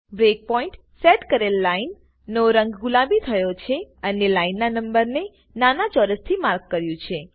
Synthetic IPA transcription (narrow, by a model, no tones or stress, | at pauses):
bɾek̚pɔiɳʈ | seʈkəɾelːainː | oɾəŋɡɡulabit̪ʰəjot͡ʃʰeənelainːanəmbəɾne | nanat͡ʃɔɾəst̪ʰimaɾkːəɾjũt͡ʃʰe